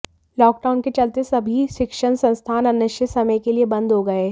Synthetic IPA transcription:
lɔːk̚ɖaːʊnket͡ʃɐlt̪esɐbʱiʃɪkʃənsɐ̃nst̪ʰaːnɐnəʃəsɐməjkeliebɐ̃nd̪ʱɦoɡɐeː

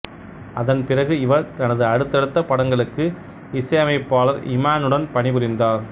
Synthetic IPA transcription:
ɐðɐnpɪrɐɣɯɪʋɐɾt̪ɐnɐðɯɐɽɯt̪ːɛɽɯt̪ːɐpɐɽɐŋɡɐɭɯkːɯ | ɪsɐjɐmɐɪpːaːlɐɾɪ̰maːnɯɽɐnpɐɳɪʋɯɾɪnd̪aːɾ

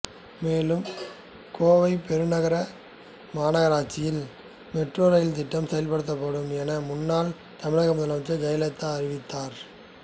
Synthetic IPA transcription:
meːlɯm | koːʋɐɪpɛɾɯnɐɣɐɾɐ | maːnɐɣɐɾaːt͡ʃɪjɪl | mɛʈroːɾɐjɪlt̪ɪʈːɐmsɛjɐlpɐɽɯt̪ːɐpːɐɽɯmɛnɐmʊnːaːl | t̪ɐmɪɻɐɣɐmʊðɐlɐmt͡ʃːɐd͡ʒɐjɐlɐt̪ːaɐɾɪʋɪt̪ːaːɾ

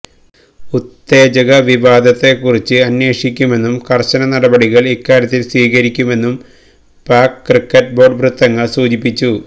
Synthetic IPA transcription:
ut̪ːe̞ːd͡ʑɐɣɐʋiʋaːd̪ʱɐt̪ːe̞kːurit͡ɕːɨɐnje̞ːʂikʲːume̞nːumkɐrɕɐnɐnɐɽɐbɐɽiɣɐɭikːaːɾjɐt̪̬ːilswiːɣɐɾikʲːume̞nːum | paːkkːrikːɐʈ̚bo̞ːɖbrut̪ːɐŋːɐɭsuːd͡ʑipːit͡ɕːu

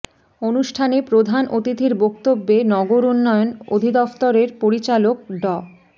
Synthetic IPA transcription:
onuʃʈʰanepɾod̪ʱanʔot̪it̪iɾbok̚t̪obːenɔɡoɾunːɔjono̰d̪ʱid̪ɔft̪oɾeɾpoɾit͡ɕalok̚ɖɔ

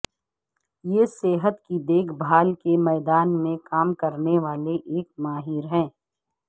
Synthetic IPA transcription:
jeːseːɦət̪kid̪eːkʰbʱaːlkemɛːd̪aːnmẽkaːmkɐɾneʋaːleʔeːk̚maːɦɪɾɦɛ̃ː

